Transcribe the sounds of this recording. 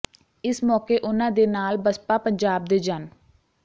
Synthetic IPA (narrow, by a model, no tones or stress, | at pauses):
ɪsmɔːkeːʔʊnãːd̪eːnaːlbəspaːpəɲd͡ʒaːb̚d̪eːd͡ʒan